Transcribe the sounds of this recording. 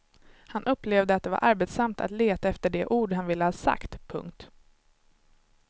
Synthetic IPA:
hanʔɵpːlevd̪əat̪̚d̪ɛva̰ɾʔaɾbet̪samt̪ʰa̰t̪leːt̪aɛft̪əɖɛʔuːɖɦanvɪlːəhɑːsa̰kt̪pʰɵ̰ŋkt̪

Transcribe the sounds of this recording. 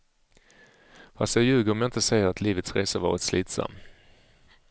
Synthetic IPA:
fast̪jɑɡjʉ̟ːɡəɾɔmjaɪnt̪əsɛjːəɾat̪ʰliːvət̪sɾeːsəvɑ̰ːɾət̪sliːt̪sa̰mː

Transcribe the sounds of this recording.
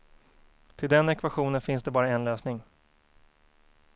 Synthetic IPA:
t̪ʰɪld̪ɛnɛkvaɧuːnənfɪnsd̪ɛbɑːɾaɛnløːsnɪŋ

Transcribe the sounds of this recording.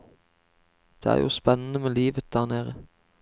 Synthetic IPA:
d̪̥ḛːæ̰ːʁjṵːspɛnən̩əmeːliːʋət̪̚d̪̥æːʁneːʁə

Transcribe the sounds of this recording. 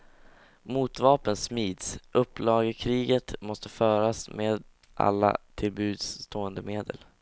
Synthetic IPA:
muːt̪vɑːpənsmiːd̪sʔɵpːlɑːɡəkʰɾiːɡət̪mɔst̪əfœːɾasmeːd̪ | ʔa̰lːa̰t̪ʰɪlbʉ̟ːd̪st̪ʰoːənd̪əmeːd̪ə̰l

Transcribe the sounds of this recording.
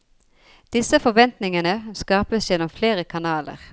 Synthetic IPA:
d̪̥ɪsəfɔʋɛnt̪nɪŋənəskɑːpəsjɛnɔmfleːʁəkʰɑnɑːlə̰ʁ

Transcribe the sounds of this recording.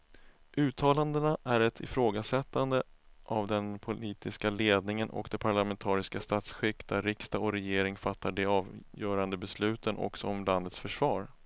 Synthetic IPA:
ʉ̟ːt̪ʰɑːland̪ənaʔæɾɛt̪ʰɪ̰fɾoːɡasɛt̪ːand̪əʔavd̪ɛnpʰʊliːt̪ɪskaleːd̪nɪŋənʔɔ̰kd̪ɛpʰaɭamɛnt̪ʰɑːɾɪskast̪at̪sɧɪkːd̪æɾːɪkst̪aɔɾɛjeːɾɪŋfat̪ʰːaɖɛɑːvjœːɾand̪əbɛslʉ̟ːt̪ʰənɔ̰ksɔɔmland̪ət̪sfœʂvɑːɾ

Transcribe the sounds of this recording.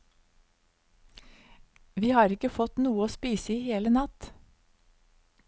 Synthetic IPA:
ʋiːhɑːɾɪkəfɔt̪nuːəoːspiːsəiːheːlənɑt̪

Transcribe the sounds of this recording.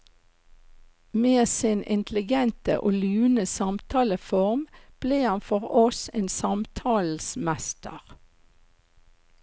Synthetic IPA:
meːsɪnɪ̰nt̪ʰlɪɡɛnt̪ə̰ʔoːlyːnəsɑmt̪ʰɑːləfɔʁmb̥leːhɑnfɔʁɔseːnsɑmt̪ʰɑːl̩smæst̪ə̰ʁ

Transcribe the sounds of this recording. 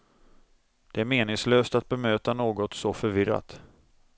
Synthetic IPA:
d̪̥ɛæɾmeːnɪŋsløːst̪at̪̚bɛmøːt̪anoːɡɔt̪sɔfœɾvɪɾa̰t̪

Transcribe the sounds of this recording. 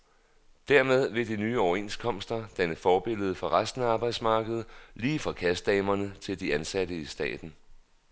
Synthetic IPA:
d̥æɐmeð̞ˠʋe̝d̥inyːɒʊɐe̝nskʰɒ̽m̰sd̥ɐd̥ænəfɒːb̥e̝l̰ð̞̩ˠfɒ̽ʁasd̥n̩ɑ̈ːb̥ɑ̈ɪd̥smɑ̈ːɡ̥əð̞̩ˠliːfʁɑ̈kʰæsd̥̚d̥ɛːmɐnət͡sʰe̝ld̥iænsæɾ̥əisd̥ɛ̰ːd̥n̩

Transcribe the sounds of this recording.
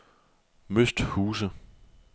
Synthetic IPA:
møsd̥huːsə

